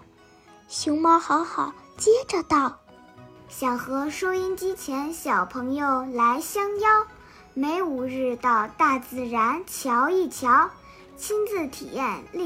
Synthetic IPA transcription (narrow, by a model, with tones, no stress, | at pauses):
ɕʊ˧˥ŋmɑ˥xɑ˧˥ʊxɑ˨˩ʊt͡ɕjɛ˥ʈ͡ʂə˧t̪ɑ˥˩ʊ | ɕjɑ˨˩ŋxɤ˧˥ʂɔ˥i˥nt͡ɕi˥t͡ɕʰjɛ˧˥nɕjɑ˨˩ʊpʰɤ˧˥ŋjo˥˧ʊla˧˥ɪɕjɑ˥ŋjɑ˥ʊ | me˧˥ɪu˨˩ɻɻ̩˥˧t̪ɑ˥˧ʊt̪a˥˧t͡sɹ̩˥˩ɻa˧˥nt͡ɕʰjɑ˧˥ʊi˥˩t͡ɕʰjɑ˧˥ʊ | t͡ɕʰi˥nt͡sɹ̩˥˩t̪ʰḭ˨˩jɛ˥˧nli˥˩